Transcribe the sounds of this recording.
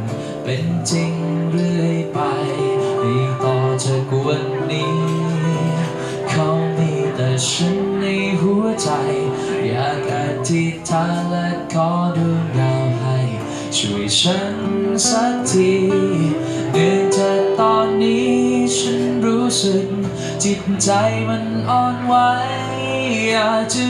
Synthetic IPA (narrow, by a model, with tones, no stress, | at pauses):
pe˨˩nt͡ɕi˧ŋɾɯ˧˩jpa˧jjɾi˨˧˩t̪ɔ˧˩t͡ɕa˧k̚wə˧nːi˨˧˦ | kʰa˧wmi˧˩t̪a˨˩sə˧˦˥nni˧jɦu˧˥ət͡ɕa˧j | ja̰ː˨˧˩ka˨˩t̪ʰi˧t̪ʰa˧˦lɛ˧kɔ˨˦˥do˧ɡa˧jɦa˧˩j | t͡ɕʰu˧˩t͡ɕʰa˦˥nsa˦˥k̚t̪ʰi˨˩ | dəː˨˧˩nt͡ɕa˧˩t̪ɔː˧nːiː˦˥t͡ɕʰa˦˥nɾuː˦˥sɯ˨˧˩k̚ | t̪ʰi˨˧˩t̪̚t͡ɕa˧jma˧nʔɔː˧nwa˦˥ | j | jaː˨˩k̚t͡ɕa˧